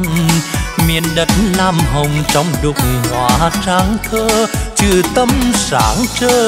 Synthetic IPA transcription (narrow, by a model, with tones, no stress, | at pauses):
mḭ˧˨ənɗə˨˩nlaː˧˩mɦə˨˩wŋ͡mt͡ɕɔ˧˦wŋ͡mɗu˨˩k͡p̚ŋ͡mhwa̰ː˧˨˩t͡ɕaː˧˦ŋk̪ʰəː˧t͡ɕɨ˧˩t̪ə˧msa̰ː˧˩˦nt͡ɕəː˧